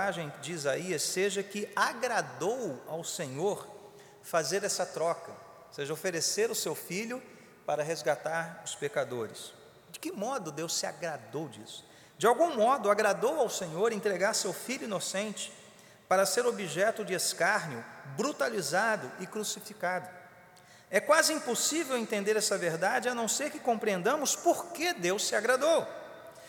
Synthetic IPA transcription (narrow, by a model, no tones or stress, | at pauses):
aʒẽj̃d͡ʒɪizaiɐsːeʒɐkɪaɡɾad̪owawsẽɲoɾ | fazeɾɛsɐt̪ɾɔkɐ | seʒɐofeɾeseɾʊsewfiʎʊ | paɾɐɦezɡat̪aɾʊspekad̪oɾɪ̰s | d͡ʒɪkɪmɔd̪ʊd̪ewssɪa̰ɡɾad̪owd͡ʒḭsʊ̥ | d͡ʒɪawɡũmɔd̪ʊaɡɾad̪owawsẽɲoɾẽnt̪ɾeɡaɾsewfiʎʊinosẽnt͡ʃɪ̥ | paɾɐseɾobiʒɛt̪ʊd͡ʒɪeskaɾɲjʊbɾut̪alizad̪ʊʔɪkɾusifikad̪ʊ | ɛkwazɪĩposivewẽnt̪ẽnd̪eɾɛsɐveɾd̪ad͡ʒɪɐnɐ̃w̃seɾkɪkõmpɾiẽnd̪ɐ̃mʊspoɾked̪ewsːɪaɡɾad̪ow